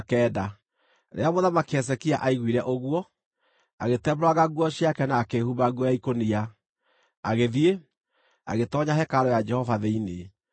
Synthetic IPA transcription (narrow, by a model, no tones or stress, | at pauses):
akɛːda | ɾḛamoðamakeɛs̬ɛkia̰ʔaiɣwiɾɛʔoɣwɔ | aɣetɛbɾwaɣaɣwɔɕiakɛnaːkehubaɣwɔjaikonia | aɣeðie | a̰ɣetɔɲahɛkaɾɔjad͡ʒɛhɔvaðeine